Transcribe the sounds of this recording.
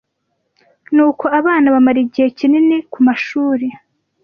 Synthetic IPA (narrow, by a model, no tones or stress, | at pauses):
nuːko̞aβaːnaβamaɾiɟihe̞cininikumaʃuːɾe